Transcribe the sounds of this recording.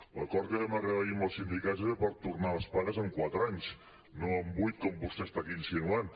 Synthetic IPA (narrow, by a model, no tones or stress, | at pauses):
lə̰kɔɾt̪̚kəβɛmərəβəʎimbəlˠsind̪ikazeepəɾt̪urnaləspaɾəzəŋkwat̪ɾaɲs | noəmbujt̪̚kɔmbust̪est̪akiinsinuan